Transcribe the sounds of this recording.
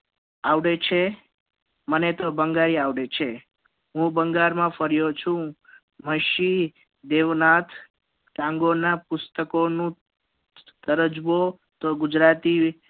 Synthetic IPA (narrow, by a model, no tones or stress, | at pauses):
aʋɽet͡ʃʰe | mənet̪obəŋɡaɾiaʋɽet͡ʃʰe | ɦũbəŋɡaɾmãfəɾjot͡ʃʰũ | məʃi | d̪eʋnat̪ʰ | ʈãŋɡonapʊst̪əkonũ | t̪əɾəd͡ʒʋo | t̪oɡʊd͡ʒɾat̪i